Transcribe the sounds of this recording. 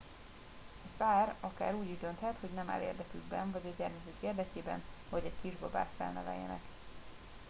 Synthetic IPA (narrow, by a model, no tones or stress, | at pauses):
ɛfaːrɒka̰ːɾuːɟiʒd̪ønt̪hɛt̪ho̞ɟnɛma̰ːlḛːrd̪ɛkyɡ̚bɛnvɒɟɒɟɛrmɛzykeːrd̪ɛkeːbɛ̰nɒɟɛckiʒbɒba̰ːsfɛ̰lnɛ̰vɛ̰jːɛ̰nɛ̰k